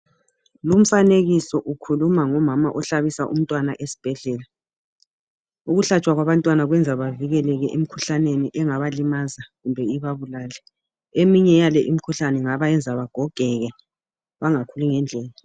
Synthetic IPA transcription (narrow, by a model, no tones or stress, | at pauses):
lum̩faneɣisɔʔukʰulumaŋɔmama̰ʔɔɬaβisaʔṵm̩tʼwanaʔesi̥b̥ʱɛɮɛːla | uɣuɬat͡ʃʼwaɣwaβantʼwanaɣwɛnd͡zʱaβaviɣɛlɛɣɛʔem̩kʰuɬaneniʔɛŋaβalimazaɣumbʱɛiβaβulaːlɛ | emiɲɛjalɛʔimikʰuɬanɛŋaβajɛnd͡zʱaβaɡ̥ʱɔɡ̥ʱɛɣɛ | βaŋakʰuluŋɛnd͡ɮʱɛːla